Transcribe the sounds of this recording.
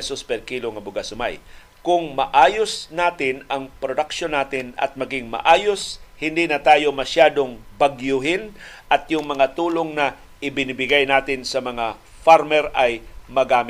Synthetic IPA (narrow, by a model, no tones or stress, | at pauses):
sospɛlkiloŋɐbʊɡasʊma̰j | kʊŋmɐʔaːjosnaːt̪ɪnɐŋpɾod̪ɐkʃonːaːt̪ɪnɐ̰t̪̚mɐɡɪŋmɐ̰ʔaːjoshɪnd̪inɐt̪aːjo̞mɐʃjaːd̪o̞ŋbɐɡjʊɦɪnʔɐt̪jʊŋmɐŋat̪uːloŋnɐ | ʔɪbɪnibɪɡajnaːt̪ɪnsɐmɐŋa | faɾmɛɾʔɐjmɐɡaːmɪ